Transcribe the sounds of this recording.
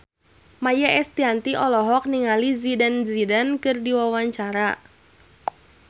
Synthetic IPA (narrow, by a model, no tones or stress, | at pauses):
majaɛst̪iant̪iʔɔlɔɦɔk̚niŋalizidanzidankɨrdiwawaɲt͡ʃaɾa